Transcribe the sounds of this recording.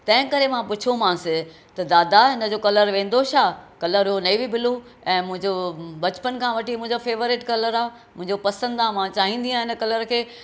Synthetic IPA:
t̪ɐ̃ɦɪ̃kɐɾemãpʊt͡ɕʰomãːsɪ | t̪ɐd̪aːd̪aɦɪnə̆d͡ʑoːkɐləɾʋẽːn̆d̪oʃʰaːkɐləɾɦɦonɐibibɪlo | ɛ̃ːmʊ̃ɦɪ̃ɲd͡ʑobɐt͡ɕpənkʰãːʋɐʈimʊ̃ɦɪ̃ɲd͡ʑofeːʋoɾɪʈkɐləɾaː | mʊ̃ɦɪ̃ɲd͡ʑopɐsə̃nd̪amãt͡ɕaːɦĩːn̆d̪iãːɪnə̆kɐləɾkʰeː

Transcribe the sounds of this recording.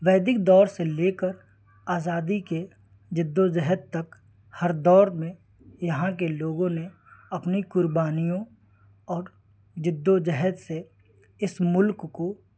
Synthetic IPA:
ʋɛːd̪ɪk̚d̪ɔːɾseleːkəɾ | aːzaːd̪ike | d͡ʒɪd̪ːod͡ʒɛɦət̪t̪ːɐk | hɐɾd̪ɔːɾmẽ | jɐɦãk̬eloːɡõne | ɐpnikʊɾbaːnijõ | ɔːɾ | d͡ʒɪd̪ːod͡ʒɛɦɛt̪se | ɪsmʊlkːo

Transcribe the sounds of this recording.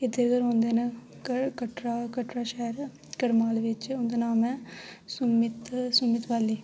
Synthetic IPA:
ɪd̪eɾɡəɾɦõːnd̪eːne | kəʈɾaːkəʈɾaːʃɛːɾ | kəɽmaːlʋɪt͡ʃʊnd̪eːnaːmɛːsʊmɪt̪sʊmɪt̪ʋaːliː

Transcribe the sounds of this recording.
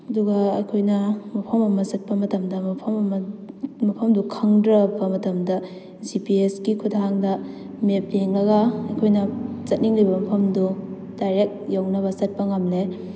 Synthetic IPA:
ɐduɡɐɐjkʰojnɐmɐpʰɐmɐmɐsɐt̚pɐmɐtɐmdɐmɐpʰɐmɐmɐmɐpʰɐmdukʰɐŋdɾɐbɐmɐtɐmdɐ | zipieskikʰudʰaɦaŋdɐ | mep̚leŋlɐɡɐɐjkʰojnɐzɐt̚niŋlibɐmɐpʰɐmdu | d̥ajɾek̚jawnɐβɐsɐt̚pɐŋamle

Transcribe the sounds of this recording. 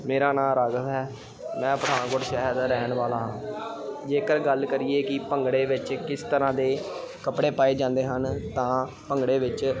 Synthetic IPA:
meːɾaːnãːɾaɡt̪ɦɛː | mɛ̃ːpəɽãːnkʊɾʃɛːɦəd̪ɾɛːɳʋaːlaːɦãːd͡ʒeːkəɾɡəlkəɾiːeːkɪpəŋɡɽeːʋɪt͡ʃkɪst̪əɾãːd̪eː | kəpɽeːpaːeːd͡ʒãːnd̪eːɦənt̪ãː | pəŋɡɽeːʋɪt͡ʃ

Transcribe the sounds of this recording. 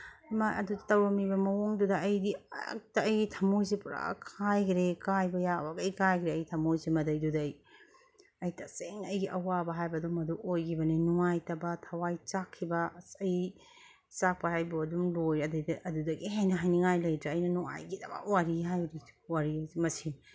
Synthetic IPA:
majʔɐ̰dudtɐwɾɐmibɐmɐwoŋdudɐɐjdiɐ̰k̚tɐɐjɡitʰɐmojsipuɾa̰kʰajkɾekajbɐjabɐɡɐjkajkɾeɐjtʰɐmojzimɐdɐjdudɐj | ɐjtʰɐseŋɐjɡiʔɐwabɐɦajbɐdumɐduʔojkʰibɐninuŋajtɐbɐtʰɐwajt͡ʃakʰːibɐsɐj | t͡ʃak̚pɐɦajboɐdumlojɐdɐjdɐdudɐɡiɦajnɐɦajniŋajlɐjdɾɐɐjnɐnuŋa̰jɡidɐbɐ̰waɾiɦajɾi̥waɾiajzimɐsiŋ

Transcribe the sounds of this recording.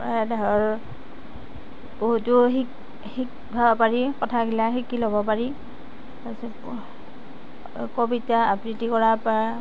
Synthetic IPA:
daɔɹ | boɦutʊɦik | hik | bʱapaɹikɔtʰaɡilaxikilobɔp̬aɹi | as | kobitaapɹitikɔɹapa

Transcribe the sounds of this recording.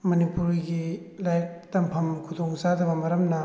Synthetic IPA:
mɐnipuɾiɡilajtɐmpʰɐmkʰudʰoŋzadɐbɐmɐɾɐmnɐ

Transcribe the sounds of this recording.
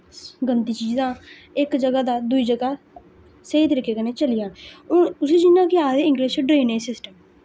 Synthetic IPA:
ɡənt̪iːt͡ʃiːzãː | ɪkd͡ʒəɡaːd̪aːd̪ʊiːd͡ʒəɡaː | seiːt̪əɾiːkeːkəneːt͡ʃəlɪjãːʊseːd͡ʒɪnãːkɪaːd̪eɪ̃ŋɡleʃɖɾeːnẽːsɪsʈəm

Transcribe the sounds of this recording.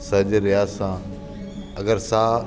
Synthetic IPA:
sɐd͡ʒɾɪjaːsãː | ɐɡəɾsaː

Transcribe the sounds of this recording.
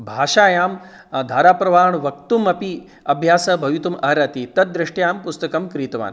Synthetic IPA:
bʱaːʃaːjaːm | d̪ʱaːɾaːpɾɐʋaːɳʋɐk̚t̪umɐpi | ɐbʱjaːsɐbʱɐʋit̪umʔɐɾɐt̪it̪ɐt̪̚d̪ɾiʂʈjaːmpust̪ɐkɐmkɾiːt̪ɐʋa̰ːn

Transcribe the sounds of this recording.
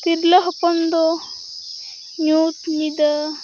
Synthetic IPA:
t̪iɾlɐɦpɐnd̪o | ɲuːt̪nid̪ɐ

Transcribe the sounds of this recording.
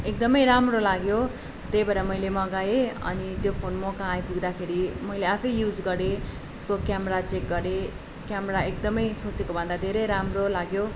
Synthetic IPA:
ek̚d̪ʌmʌjɾamrolaɡjo | t̪ejbaɾamʌjlemʌɡaeʌ̰nit̪jopʰonmʌkaãjpuɡd̪akʰeɾimʌjleapʰʌjːjud͡zɡʌɾe | t̪e̥skokjamʌɾat͡sek̚ɡʌɾe | kjamɾaek̚d̪ʌmʌjsot͡sekobʱʌ̃nd̪ad̪ʱeɾʌjɾamrolaɡjo

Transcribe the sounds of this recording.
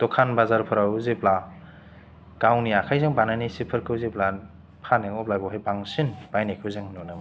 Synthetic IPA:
dɔkʰanbazaɾpʰɯɾawzepla | ɡ̥awniakʰajzaŋbanajnisipʰɯɾkʰɯwzepla | pʰaneŋɔplajbɔwɦajbaŋsinb̥ajnekʰɯwzaŋnɔnam

